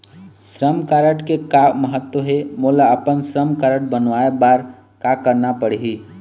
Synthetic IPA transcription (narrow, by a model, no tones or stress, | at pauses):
sɾəmkaɾəʈkekaməɦət̪wəɦemulaəpənsɾəmkaɾəʈ̚bənʋaebaɾ | kakəɾnapəɽ̤ɦi